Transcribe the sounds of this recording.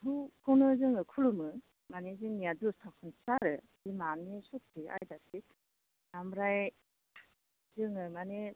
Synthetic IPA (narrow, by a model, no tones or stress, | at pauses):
ɦukʰɔnɯzɯŋɯkʰulumɯ | manezɯŋnijadustʰak̚sʰɯnsaɾɯ | zimanːisɔt̚ʰia̰jdatʰi | namɾaj | zɯŋɯmane